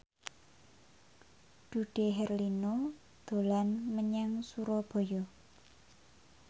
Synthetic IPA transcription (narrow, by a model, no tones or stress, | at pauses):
d̥ṳɖ̥eɦɛrlino | d̪̥o̤lanməɲaŋsuɾɔb̥o̤jɔ